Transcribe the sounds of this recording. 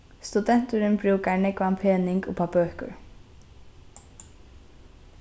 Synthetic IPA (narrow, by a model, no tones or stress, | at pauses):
st̪ʉd̪ɛnt̪ʉɾʏnbɹuːkaɳəkʰʋɑmpʰeːnɪŋɡo̰ːpʰɑbœːkʊ̰ɹ